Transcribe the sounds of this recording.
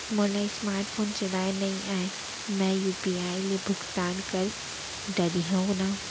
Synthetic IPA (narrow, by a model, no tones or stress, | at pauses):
molaːismaːɾʈfʰoːnt͡ʃɐɽaːenɐɦĩʔaːe | mɛ̃juːpiaːilebʱʊɡt̪aːnkɐɾ | ɖɐɾiɦõɡnaː